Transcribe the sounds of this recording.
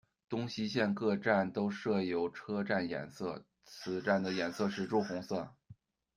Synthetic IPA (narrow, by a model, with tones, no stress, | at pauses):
t̪ʊ˥ŋɕi˥ɕjɛ˥˧nkɤ˥˧ʈ͡ʂa˥˩nt̪o˥ʊʂɤ˥˩jo˧˥ʊʈ͡ʂʰɤ˥ʈ͡ʂa˥˩njɛ̰˨˩nsɤ˥˩ | t͡sʰɹ̩˨˩ʈ͡ʂa˥˩nd̪ə˩jɛ˨˩nsɤ˥˧ʂɻ̩˥˧ʈ͡ʂu˥˩xʊ˧˥ŋsɤ˥˩